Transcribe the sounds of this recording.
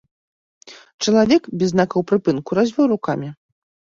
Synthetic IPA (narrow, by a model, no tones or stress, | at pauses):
t͡ʂɐlˠavʲɛkbʲɛznakɐwpɾɨpɨnkuɾazʲvʲɛwrukamʲi